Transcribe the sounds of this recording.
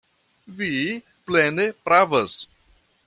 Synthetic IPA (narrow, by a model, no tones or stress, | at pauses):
vi | plenepɾavɐs